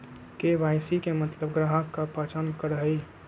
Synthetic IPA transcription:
keʋaːɪsikemət̪ləbɡɾaɦəkːapaːt͡ʃankəɾəɦəi

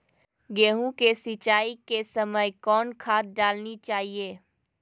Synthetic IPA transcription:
ɡeːɦũkesɪt͡ʃaːikesəməjkɔːnkʰaːt̪̚ɖaːlnit͡ʃaːɦieː

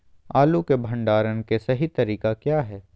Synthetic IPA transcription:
aːlukebʱɐ̃ɳɖaːɾənkesɐɦit̪ɐɾiːkakjaːɦɛː

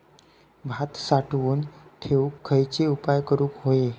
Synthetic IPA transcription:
bʱat̪saʈʋuːnʈ̪ʰeʋukʰːəjt͡ɕeupajkəɾuːkɦoje

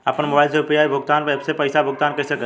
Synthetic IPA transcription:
əpənmobaːɪlseʊpijaːibʱʊɡt̪aːnpebsepəɪsabʱʊɡt̪aːnkəsəkə

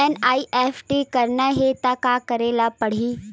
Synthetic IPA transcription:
enaːiʔefʰʈikɐɾnaɦet̪akakɐɾeːlapɐɽ̤iː

